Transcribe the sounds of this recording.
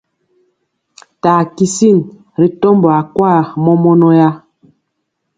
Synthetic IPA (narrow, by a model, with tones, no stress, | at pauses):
taː˨ki˨si˦˨n | ɾi˨tɔ˦mbɔ˨a˨kwa˦˨mɔ˦mɔ˦nɔ˦ja˦